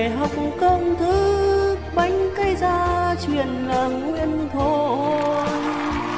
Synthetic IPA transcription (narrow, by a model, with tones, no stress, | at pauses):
ɦə˨˩wk͡p̚kə˧wŋ͡mt̪ʰɨ˨˦ | ɓa˨˦jŋ̟kə˧jzaː˧t͡ɕwḭ˧˨ənlaː˨˩ŋwi˧ənt̪ʰo˧˩˧